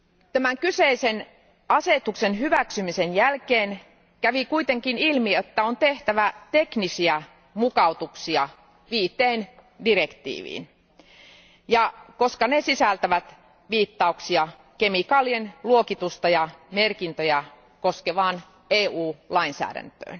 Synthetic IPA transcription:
t̪æmæŋkyseisen | ɑset̪uksenɦyʋæksymisenjælkeːn | kæʋikuit̪eŋkinilmiet̪ːæont̪eht̪æʋæt̪eknisiæ | mukɑut̪uksiɑ | ʋiːt̪ːˑeːn | direkt̪ḭːʋḭːn | jɑkoskɑnesisælt̪æʋæt̪ | ʋiːt̪ːɑuksiɑ | kemikɑːlienluokit̪ust̪ɑjɑmerkint̪øjæ | koskeʋɑːn | eːuːlɑinsæ̰ːdæ̰nt̪ø̰ːn

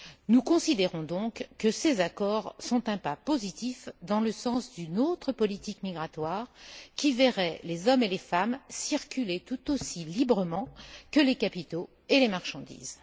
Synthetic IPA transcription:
nukɔ̃sid̪eʁɔ̃d̪ɔ̃kːəsezakɔʁsɔ̃t̪ɛ̃papozit̪ifd̪ɑ̃ləsɑ̃sd̪ynot̪χəpɔlit̪ikmiɡʁat̪waːʁkʲivɛʁɛlezɔmelefamsiʁkʲylet̪ut̪osilibʁəmɑ̃kəlekapit̪o | elemaʁʃɑ̃d̪ḭːz

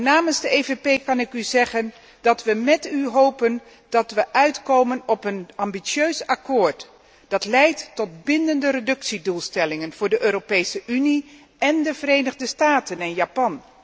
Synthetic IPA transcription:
naːmənzdəejvepejkɑnɪkyzɛχən | dɑtʋəmɛtyɦowpən | d̥ɑtʋəʔœɥtkowmənɔpənɑmbisøɥsakʊːɹt | d̥ɑtlɛjtːɔt̚bɪndəndərədɵksidulˠstɛlɪŋənv̥ʊːɹdəʔøːɾopejsəʔyni | ɛndəvərejnəχdəstaːtənɪnjapɑn

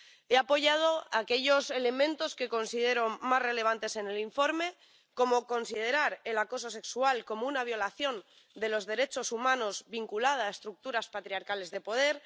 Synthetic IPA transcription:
eapo̞ʝað̞o̞ake̞ʎo̞se̞le̞mẽ̞nt̪o̞ske̞ko̞nsið̞e̞ɾo̞nmazre̞le̞β̞ant̪e̞se̞neliɱfo̞ɾme̞ | ko̞mo̞ko̞nsið̞e̞ɾaɾe̞lako̞s̬o̞se̞ksualko̞mounaβ̞jo̞laθjo̞n | d̪e̞lo̞zðe̞ɾe̞t͡ʃo̞sumãno̞zβiŋkulaðaːest̪ɾuk̚t̪uɾaspat̪ɾiaɾkale̞zðe̞po̞ð̞e̞ɾ

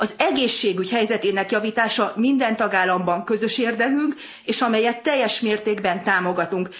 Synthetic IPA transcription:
ɒzɛɡeːʃːeːɡychɛjzɛt̪eːnɛkjɒviːt̪aːʃɒmind̪ɛnt̪ɒɡaːlːɒmbɒŋkø̞zø̞ʃeːrd̪ɛkyŋk | eːʃɒmɛjɛt̪ːɛjːɛʃmeːrt̪eːɡbɛnt̪aːmo̞ɡɒt̪uŋk

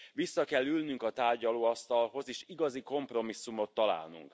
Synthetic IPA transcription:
ʋisːɒkɛlːylnyŋkɒt̪aːrɟɒloːɒst̪ɒlɦo̞zeːʃiɡɒziko̞mpro̞misːumo̞t̪ːɒla̰ːlnṵŋk

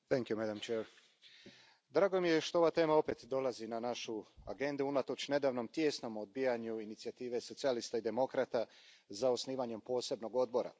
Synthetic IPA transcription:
θɛŋkjumɛd̪amt͡ʃɛɾ | d̪ɾaːɡo̞mije̞ʃt̪o̞oʋat̪e̞ːmao̞pe̞t̪d̪o̞lazinanaʃua̰ɡe̞nd̪uunat̪o̞t͡ɕne̞d̪aːʋno̞mt̪je̞sno̞mod̪̚biːjaɲuinit̪siat̪iːʋe̞so̞t̪sialist̪aid̪e̞mo̞kɾat̪a | zaosniːʋaɲe̞mpo̞ːse̞bno̞ɡo̞d̪̚bo̞ɾa̰

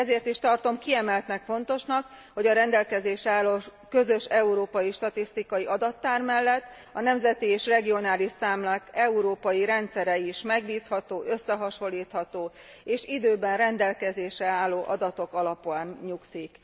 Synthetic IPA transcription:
ɛzeːrt̪iʃt̪ɒrt̪o̞mkiɛmɛlt̪nɛkfo̞nt̪o̞ʃnɒk | ho̞ɟɒɾɛnd̪ɛlkɛzeːʃɛaːlːoːkø̞zø̞ʃɛuɾoːpɒjiʃt̪ɒt̪ist̪ikɒjiʔɒd̪ɒt̪ːaːrmɛlːɛt̪ː | ɒnɛmzɛt̪ieːʃrɛɡio̞naːliʃsaːmlakɛuɾoːpɒjiɾɛnt̪sɛɾɛiʃmɛɡbiːshɒt̪oːʔø̞sːɛɦɒʃo̞lːiːt̪hɒt̪oː | eːʃid̪øːbɛnrɛnd̪ɛlkɛzeːʃɛaːlːoːʔɒd̪ɒt̪o̞kɒlɒpuaːnɲuksik

